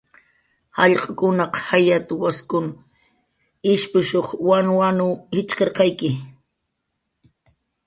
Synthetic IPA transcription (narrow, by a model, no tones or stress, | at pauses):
hɑʎqʼakʊnɑqhajat̪ʊwaskʊn | ɪʃpʊʃoχwanwanʊhɪt͡ʃqeɾqɑjkɪ